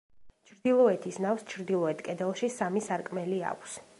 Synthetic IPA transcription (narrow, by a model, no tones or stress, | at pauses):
t͡ʃʰɾd̪ilˠɔɛt̪ʰisnafst͡ʃʰɾd̪ilˠɔɛt̪ʰkʼɛd̪ɛlˠʃisamisaɾkʼmɛlia̰kʷʰs